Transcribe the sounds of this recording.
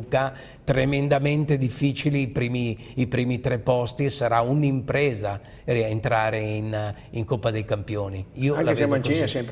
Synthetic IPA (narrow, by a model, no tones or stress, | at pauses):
ka | t̪ɾemend̪amɛnt̪ed̪ifːiːt͡ʃiliːpɾiːmiː | pɾiːmit̪ɾɛpːɔst̪isaɾaunimpɾɛːza | rient̪ɾaːɾein | iŋkopːad̪ejkampjoːniiːoaŋlavemant͡ʃiasɛmp